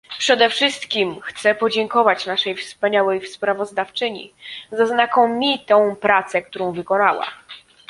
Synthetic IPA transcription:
pʂɛd̪ɛfʂɘst̪kʲimxt̪sɛpɔd͡ʑɛŋkɔvat͡ɕnaʂɛjfspaɲawɛjfspɾavɔzd̪aft͡ʂɘɲḭzaznakɔmʲit̪ɔ̃w̃pɾat̪sɛk̚t̪uɾɔ̃w̃vɘkɔnawa̰

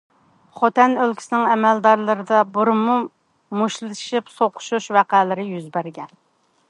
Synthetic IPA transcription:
χot̪ɛnølkʲʰi̥sɪnɪŋɛmɛld̪ɑɾlˠɨɾɨd̪ɑbuɾɨmːu | muʃlɨɨ̥ʃipsoqʰʊ̥ʃuʃwæqælɪɾɪjyzbæɾɡʲɛn

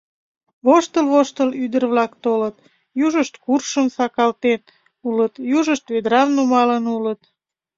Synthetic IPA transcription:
βoʃt̪əlβoʃt̪əlyd̪ərβlɑkt̪olət̪̚ | juʒəʃt̪kurʃəmsɑkɑlt̪en | ulət̪juʒəʃt̪βed̪ɾɑmnumɑlənulət̪

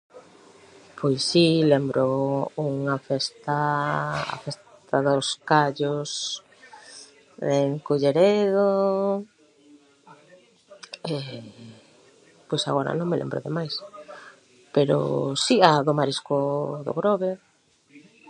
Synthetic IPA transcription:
pʰojsːilembɾʊuŋafest̪aa̰fest̪aðʊskaʎʊs | eŋkoʎeɾeðo | e | pojsa̰ɣoɾa̰nõŋmelʔḛmbɾʊ̰ðemajs | peɾo̰siaðʊmaɾiskoðʊ̰ɣɾoβe

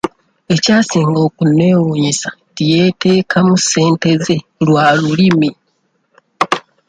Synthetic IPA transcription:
e̞caːsiːŋɡo̞ːkunːe̞ːwuɲisḁtije̞ːte̞ːkʰamuse̞ːnte̞ze̞lwaːlulimi

